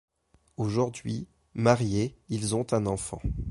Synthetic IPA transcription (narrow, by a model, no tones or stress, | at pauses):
oʒuʁd̪ɥi | maʁjeilzɔ̃t̪ɛ̃nɑ̃fɑ̰̃